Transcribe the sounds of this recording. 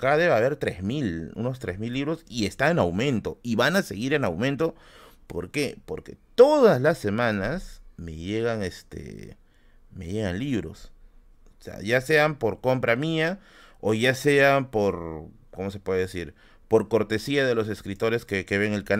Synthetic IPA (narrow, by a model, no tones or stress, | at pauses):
kaðeβaβe̞ɾt̪ɾe̞zmilṵno̞st̪ɾezmilːiβɾo̞sie̞st̪aenawmẽ̞nt̪o̞iβanase̞ɣiɾe̞nawmẽ̞nt̪o | po̞̰ɾke̞po̞ɾke̞̰t̪o̞ðaslasːe̞mãnasme̞̰ʝe̞ɣaŋest̪ḛ | me̞̰ʝe̞ɣanliβɾo̞̰s | sea̰ʝase̞ampo̞ɾko̞mpɾamia | oʝase̞apo̞ɾ | komo̞se̞pwe̞ðeðesiɾ | po̞ɾko̞ɾt̪e̞siaðe̞lo̞se̞skɾit̪o̞ɾe̞skeke̞βe̞ŋelkan